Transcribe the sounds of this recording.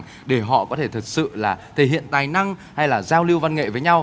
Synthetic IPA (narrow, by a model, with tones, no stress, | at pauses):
ɗe˧˩ɦɔ̰˧˨kɔ˨˦t̪ʰe˧˩t̪ʰə˨˩t̚sɨ̰˧˨laː˨˩t̪ʰe˧˩ɦhḭ˧˨ənt̪aː˨˩jna˧ŋha˧jlaː˨˩zaː˧wli˧əwva˧nŋḛ˧˨vəː˨˦jɲa˧w